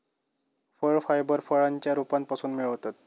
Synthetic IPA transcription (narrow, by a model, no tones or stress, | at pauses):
fəɭfajbəɾfəɭaɲt͡ɕjaɾupant̪̚pasuːnmiɭəwt̪at̪̚